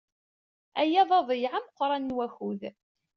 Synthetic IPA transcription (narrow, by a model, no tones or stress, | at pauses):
æjæðˤɑðˤjʕamqʷːɾˤɑnːwæxuð